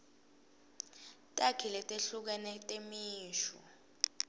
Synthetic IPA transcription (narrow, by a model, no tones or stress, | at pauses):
tʼakʰilɛtʼeɬuk̬ɛnɛtʼemiːʃɔ̰